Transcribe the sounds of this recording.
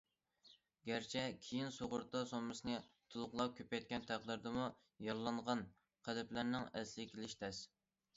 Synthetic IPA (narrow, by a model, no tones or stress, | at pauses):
ɡʲæɾt͡ʃʰɛkʲʰijinsoʁʊɾt̪ɑsomːɨsnɨt̪ʰulˠʊχlˠɑp̚kʲʰøpɛjt̪̚kʲɛnt̪ʰæʁd̪ɪɾd̪ɨmu | jɑllːˠɑɴʁɑn | qʰælɪpʰlæɾnɪŋɛslɪkʲʰelɪʃt̪ʰɛs